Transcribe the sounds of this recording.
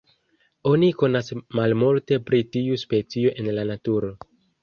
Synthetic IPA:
o̞niko̞nasmalmulte̞pɾitiuspe̞t͡sio̞ʔe̞nlanatuɾo̞

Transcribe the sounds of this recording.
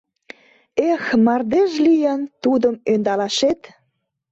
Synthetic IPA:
exmɑrd̪eʒlijənt̪ud̪əmønd̪ɑlɑʃet̪

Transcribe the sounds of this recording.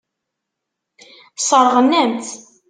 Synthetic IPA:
sˤəɾˤʁənːæmθ

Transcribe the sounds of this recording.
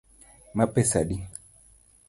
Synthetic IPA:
mapɛsaɗi

